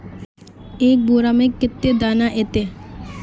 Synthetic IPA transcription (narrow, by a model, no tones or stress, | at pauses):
eːk̚boːɾaːmẽːkɪt̪ːeːd̪aːnaʔeːt̪eː